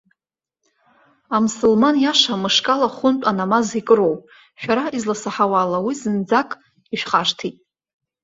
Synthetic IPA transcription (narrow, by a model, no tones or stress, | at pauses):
amsulmanjaʂamɨʂkʼalaχʷʊnt͡pʷʼanamazikʼɨɾowpʼ | ʃᶣaɾaizlasaħawalawizɨnd͡zakʼ | iʃᶣχaʂtʰitʼ